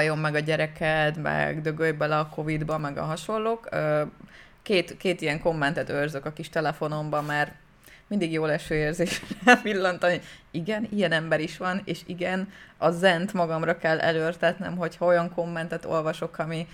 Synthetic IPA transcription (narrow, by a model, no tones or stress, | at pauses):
jo̞mːɛɡɒɟɛɾɛkʰɛt̪mɛ̰ɡd̪ø̞ɡøjbɛlɒkʰo̞vid̪bɒmɛɡɒ̰ɦɒʃo̞lːoːkø | keːt̪keːt̪ijɛŋko̞mːɛnt̪ɛt̪ørzøkɒkiʃt̪ɛlɛfo̞no̞mbɒmaːr | mind̪iɡjoːlɛʃøːeːrzeːʃrɛpilːɒnt̪ɒniɡɛnijɛnɛmbɛɾiʃʋɒnḛːʃiɡɛnɒzɛnt̪mɒɡɒmrɒkɛlːʔɛ̰løːrt̪ɛt̪nɛ̰mɦo̞chɒo̞jɒŋko̞mːɛnt̪ɛt̪o̰lvɒʃo̞kɒmi